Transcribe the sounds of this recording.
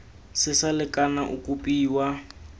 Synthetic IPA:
sɪsalɪkʼanaʔukʼupʼiːwa

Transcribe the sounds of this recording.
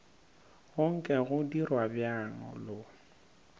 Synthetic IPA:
ɣʊŋ̩kʼɛɣʊdirwabjaŋɔ̰lʊ

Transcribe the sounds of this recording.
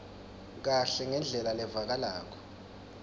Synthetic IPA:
k̬aɬɛŋɛnd͡ɮʱɛlalɛvak̬alaːk̬ʰɔ̥

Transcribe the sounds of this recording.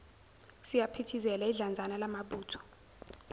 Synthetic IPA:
sijapʰitʰizɛlaiɮand͡zʱanalamaɓuːtʰɔ̥

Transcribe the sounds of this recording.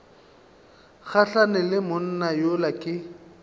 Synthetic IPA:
ɣaɬanɛlɪmʊn̩najolakʼɪ

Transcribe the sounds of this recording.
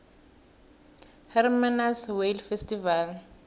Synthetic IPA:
hɛrmanaswelfɛstival

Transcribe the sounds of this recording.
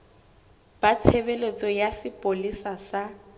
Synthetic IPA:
b̥at͡sʰebelet͡sʼɔjasɪpʼolisasa

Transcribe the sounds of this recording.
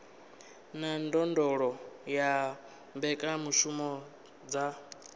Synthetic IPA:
nandɔndɔɺɔja | mbɛkʼamuʃumɔ | d͡za

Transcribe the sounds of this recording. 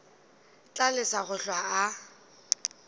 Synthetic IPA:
t͡ɬʼalɪsaɣʊɬwaː

